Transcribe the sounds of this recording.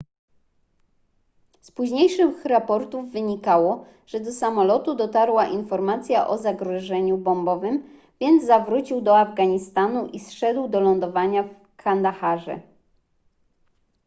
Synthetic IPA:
spuʑɲejʂɘxɾapɔɾt̪uvːɘɲikawɔ | ʐ̥ɛd̪ɔsamɔlɔt̪ud̪ɔt̪aɾwaʔinfɔɾmat̪sʲjaʔɔzaɡɾɔʐɛɲubɔmbɔvɘm | vʲjɛnd̪zzavɾut͡ɕiwd̪ɔavɡaɲist̪anuʔisʂɛd̪wd̪ɔlɔnd̪ɔvaɲaf | kʰand̪axaʐɛ̰

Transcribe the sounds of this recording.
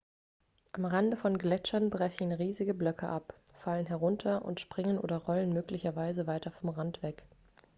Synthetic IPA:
ʔamʁandəfɔnɡlɛt͡ʃɐnbʁɛçn̩ʁiːzɪɡəblœkʰə̰ʔap | falənɦɛʁʊntʰɐʔʊ̰ntʃpʁ̥ɪŋənʔo̰ːdɐʁɔlənmøːklɪçɐvaɪzəvaɪtɐfɔmʁantv̥ɛk

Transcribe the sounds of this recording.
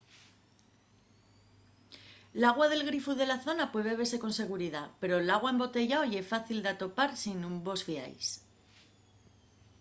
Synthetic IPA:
laɣ̞wað̞e̞lɣ̞ɾifuðe̞laθo̞napwe̞ðeβese̞ko̞nse̞ɣ̞uɾið̞ape̞ɾo̞laɣ̞waembo̞t̪e̞ʝaojefaθild̪at̪o̞paɾsinumbo̞sfia̰js

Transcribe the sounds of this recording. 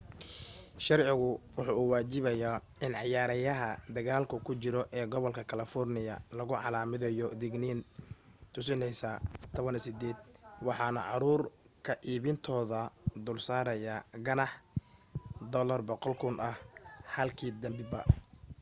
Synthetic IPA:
ʃɑrʕɪɣʊwʊħuːuːwaːt͡ʃɪβɐjaː | ɪnʕɑjaːɾɐjɐɦɐd̪ɐɣaːlkʰʊkʰʊt͡ʃɪɾɔʔɛːɡɔβɔlkʰɐkʰɐlɐfɔrnɪjɐlɐɣʊʕɑ̰laːmɪðɛjɔd̪ɪɡniːnt̪ʰʊsɪnɛjsaːt̪ʰɔβɐnɛsɪd̪ɛːd̪wɑħɑːnɐʕɑɾuːr | kʰɐʔiːβɪnt̪ʰɔːðɐd̪ʊːlsaːɾɐjaːɡɐnɑħ | d̪ɔlɐrbɔqɔlkʰʊnʔɐhhɐlkʰiːd̪ɐmbɪbɐ̰

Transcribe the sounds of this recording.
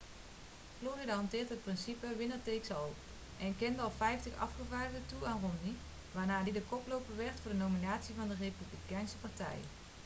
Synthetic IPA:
floːrɪdaɦɔntɪːrtɦət̚prɪnsipəʋɪnətejksɑlˠ | ʔɛnkɪndəɑlˠfɛjftəxɑ̰fχəvaːdədətuaːnrɔndi | ʋaːrnaːdidəkɔplowpəʋɛrtfʊːrdənowminaːtsivɑndərejpyblikɛjnsəpaɹtɛ̰j

